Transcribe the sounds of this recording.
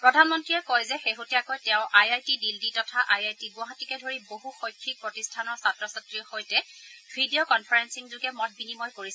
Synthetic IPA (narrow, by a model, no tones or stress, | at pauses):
pɹɔdʱanmɔntɹiɛkɔjzɛxeɦotiakɔjtɛʊ̃ʔajajtidilditɔtʰaʔajajtiɡʊ̃aɦatikɛdʱoɹiboɦuxojkʰːik̚pɹɔtistʰanɔɹsatɹɔsatɹixojtɛb̥ʰʱidiokɔnpʰaɹɛnsiŋzuɡɛmɔt̚binimɔjkoɹisɛ